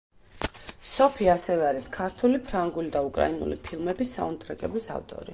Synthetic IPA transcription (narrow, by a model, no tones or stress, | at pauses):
sɔpʰiasɛvɛaɾiskʰaɾt̪ʰulipʰɾaŋɡulid̪aukʼɾa̰inṵlḭpʰilˠmɛbisːa̰unt̪ʼɾɛkʼɛblisa̰vt̪ʼɔ̰ɾḭ